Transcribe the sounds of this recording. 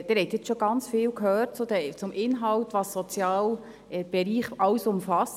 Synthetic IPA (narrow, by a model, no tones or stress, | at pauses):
d̥̪ɪɾhɛtjɛt͡sʃɔɡɑnt͡sfiːlkhœːrt̚t͡sud̪ɛt͡sʊmɪnɦɑwtʋɑːsːɔt͡sjɑːl | ɛb̥ɛɾiːχɑwsʊmfɑs